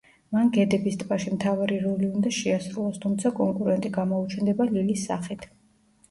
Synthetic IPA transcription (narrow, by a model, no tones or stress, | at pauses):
manɡɛd̪ɛbist̪ʼpʼaʃimt̪ʰavaɾiɾɔliund̪aʃɛasɾulˠɔst̪ʰumt̪sʰakʼɔŋkʼuɾɛnt̪ʼiɡamɔut͡ʃʰɛnd̪ɛbalilisːa̰χit̪ʰ